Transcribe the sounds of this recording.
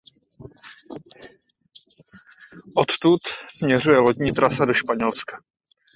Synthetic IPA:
ʔot̪t̪ut̪smɲɛr̝ujɛlot̪ɲiːt̪ɾʔasado̞ʃpaɲɛlskḁ

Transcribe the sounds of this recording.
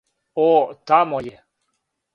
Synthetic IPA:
ot̪amojɛ

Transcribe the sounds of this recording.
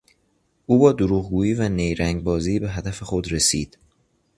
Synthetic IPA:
ʔuːbɒːd̪oɾuːɣɡuːjiːvænejɾæŋɡ̚bɒːziːbe̞ɦæd̪æfe̞xo̞d̪ɾe̞siːd̪̥

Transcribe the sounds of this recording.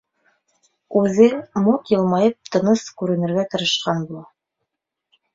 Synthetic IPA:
ʉðɘmuqjɤ̆lˠmɑjɤp̚t̪ɤ̆nɤskʉɾɘ̆nɘ̆ɾɡæt̪ɤ̆ɾɤ̆ʃqɑnbulˠɑ

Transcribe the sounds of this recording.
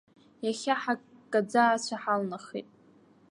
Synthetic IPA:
jaχʲaħakʼad͡zaːt͡ɕʷʰaħalnaχḭtʼ

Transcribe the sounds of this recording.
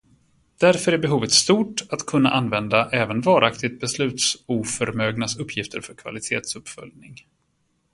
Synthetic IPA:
d̪̥æɾfœɾæɾbɛɦuːvət̪st̪uːʈat̪kʰɵnːa̰ʔanvɛnd̪aʔɛːvənvɑːɾʔakt̪ɪɡ̚t̪̚bɛslʉ̟ːt̪suːfœɾmøːɡnasɵpʰːjɪft̪ʰəɾfœɾkʰva̰lɪt̪ʰeːt̪sɵpːfœ̰ljnɪŋ

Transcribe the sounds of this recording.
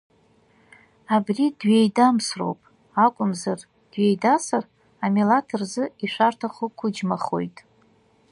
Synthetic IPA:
abridɥejdamsro̞̰wpʼ | akʷʼʊmzar | d̥ɥe̞jdasar | amelatʰɨrzɨiʃʷartʰaχukʷʰʊd͡ʒmaχo̞̰jtʼ

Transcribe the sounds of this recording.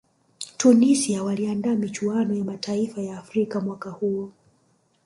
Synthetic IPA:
tunisiawaliandaːmit͡ʃuanɔjamataifajaːfɾikamwakahuɔ

